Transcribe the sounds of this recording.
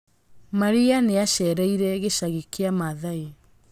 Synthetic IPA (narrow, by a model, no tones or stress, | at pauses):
maɾianeaɕɛɾaiɾɛɣeʃaɣikeamaðae